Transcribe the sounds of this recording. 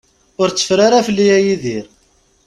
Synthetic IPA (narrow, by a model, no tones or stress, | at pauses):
ʊɾt͡sːə̥fɾaɾafəlːijæjiðiɾ